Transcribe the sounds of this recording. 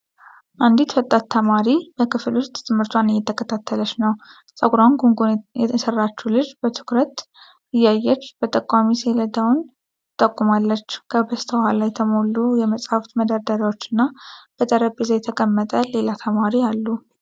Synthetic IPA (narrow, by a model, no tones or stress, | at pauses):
ʔand̪it̪wət̪ʼːat̪ʰːəmaɾibəkʰɨflust̪t̪ʰʼɨmhɨɾt̪ʰwanɨjːɛt̪ʰːəkʰət̪ʰat̪ʰːələʃnəw | sʼəɡɾanɡuŋɡoɛsərːat͡ʃːulɨd͡ʒbət̪ʰɨ̥kɾət̪ | ɨjːajːɛt͡ʃːb̥ət̪ʼəkʼwamiseləd̪awn | ɨt̪ʼəkʼːumalːət͡ʃːkʰəbəst̪ʰəhalajt̪ʰəmo̞lːujɛməsʼhaft̪məd̪aɾd̪əɾawot͡ʃːɨnːab̥ət̪ʼəɾəpʼizajɛt̪ʰəkʼəmːət̪ʼəle̞lat̪ʰəmaɾijalːu